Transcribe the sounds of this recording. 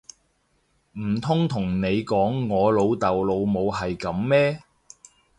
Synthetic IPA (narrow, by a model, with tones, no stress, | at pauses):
m̩˨˩t̪ʰʊ˥ŋt̪ʰʊ˨˩ŋne˨˧jkɔː˨˥ŋːɔː˨˧lo˨˧wt̪ɐ˨wlo˨˧wmo˨˧whɐ˨jkɐ˨˥mmɛː˥